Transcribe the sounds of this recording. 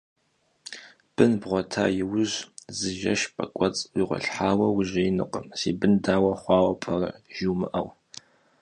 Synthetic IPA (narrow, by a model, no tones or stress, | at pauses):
b̥ɨnbʁʷɔtʰa̰ːjɪwʊʑzɨʒɐʃpʼɐkʷʼɐt͡sʼwiʁʷɔ̰ɬħaːwɐwʊʒɐjɪnɨ̰qʼəmsḭːbɨndaːwɐχʷɑːwɐpʰɐrɐʒ̥iwmɨʔɐw